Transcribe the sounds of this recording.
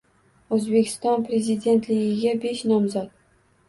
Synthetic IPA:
ɵzbe̞kʲʰɪ̥st̪ɒnpɾʲe̞zɪd̪ʲe̞nt̪lɪɡʲɪɡʲabe̞ʃnɒmzɒt̪̚

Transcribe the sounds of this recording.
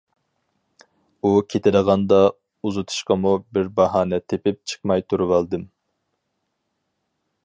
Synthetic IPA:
ukʲʰet̪ʰɪɾəʁɑnd̪ɑ | uzut̪ʰu̥ʃqɑmubɪɾbɑɦɑːnɛt̪ʰepɪp̚t͡ʃʰə̥qmɑjt̪ʰuɾuwɑlˠd̪ɨm

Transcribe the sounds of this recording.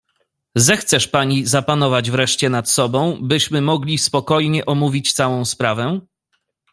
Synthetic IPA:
zɛxt̪sɛʂpaɲizapanɔvad͡ʑvɾɛʂt͡ɕɛnat̪sɔbɔ̃w̃bɘɕmɘmɔɡlʲispɔkɔjɲɛʔɔmuvʲit͡ɕt̪sawɔ̃w̃spɾavɛ

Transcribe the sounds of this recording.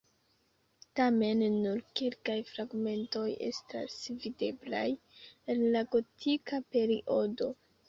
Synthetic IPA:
tame̞nːuɾkelkajfɾaɡme̞nto̞je̞̰sta̰svide̞bla̰j | enlaɡo̞tʰikape̞ɾiʔo̞do̞

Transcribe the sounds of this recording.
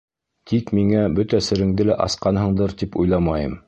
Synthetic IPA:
t̪ʰikmiŋæbɵt̪æsɘ̆ɾɘ̆ŋd̪ɘlæʔɑsqɑnɦɤ̆ɴd̪ɤɾt̪ipujlˠɑmɑjɤ̰m

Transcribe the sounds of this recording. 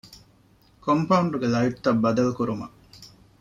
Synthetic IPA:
kompɐuɳɖuɡelɐiʈt̪ːɐbːɐd̪ɐlkuɾumɐ

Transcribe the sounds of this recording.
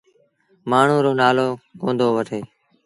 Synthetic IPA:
maːɳ̤ũːɾoːnaːloːkõːnd̪oːʋəʈʰeː

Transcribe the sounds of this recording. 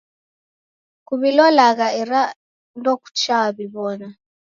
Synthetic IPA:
kuβilɔlaɣaɛɾa | ndɔku̥t͡ʃaβiβɔna

